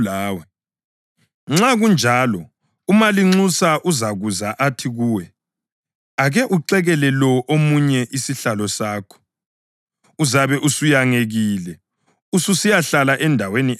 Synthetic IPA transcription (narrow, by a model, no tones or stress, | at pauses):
laːwɛ | ŋ͡ǁaɣund͡ʒʱalɔ | umaliŋ͡ǀusaʔuzaɣuzaʔatʰiɣuːwɛ | aɣɛʔuǀɛɣɛlɛlɔʔomuɲɛʔisiɬalɔsaːkʰɔ̥ | uzaβɛʔusujaŋeɣiːlɛ | ususijaɬalaʔɛndʱaweni